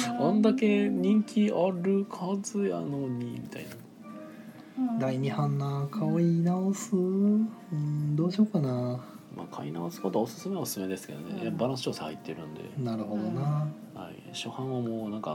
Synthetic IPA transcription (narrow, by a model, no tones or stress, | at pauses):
ãnd̪ake̞ɲ̟ĩŋkʲiaɾɯ̟kʰazɨja̰noɲ̟imʲit̪a̰ina | d̪aiɲ̟ihãnːakʰaoinaosɨ | ɯ̃d̪o̞ːɕo̞ːkanama̰ːkʰainaosɨ̥ko̞t̪oaosɨ̥sɨmeosɨ̥sɨme̞d̪e̞sɨ̥ke̞d̪onḛjabaɾãsɨ̥t͡ɕoːsaha̰it̪ːe̞ɾɯ̟̃nd̪e̞̰naɾɯ̟ho̞d̪o̞na | ha̰ḭ | ɕo̞hãɰ̃βamoːnãŋka̰